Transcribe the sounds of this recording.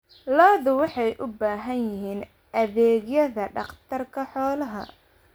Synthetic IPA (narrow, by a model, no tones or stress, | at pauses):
lɔːðʊwɑħɑjʔʊbaːɦɐnjɪɦiːn | ɐðɛːɣjɐðɐɖɑqt̪ʰɐrkʰɐħɔːlɐɦɐ̰